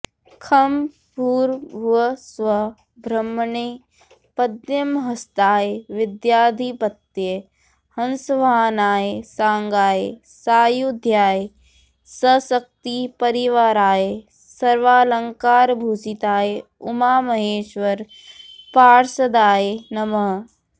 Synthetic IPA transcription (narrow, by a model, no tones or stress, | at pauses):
kʰɐm | puːɾʋɐsʋɐ | bʱɾɐmːɳeː | pɐd̪jɐmɦɐst̪aːeʋɪd̪jaːd̪ʱipɐt̪je | hɐ̃nsʋaɦnaːesãːŋɡaːje | saːjud̪ʱjaːje | sɐsɐk̚t̪ipɐɾiʋaːɾaːje | sɐɾʋaːləŋkaːɾbʱuːsit̪aːje | ʊmaːmɐɦeːʃʋɐɾ | paːɾsɐd̪aːjenɐmɐɦ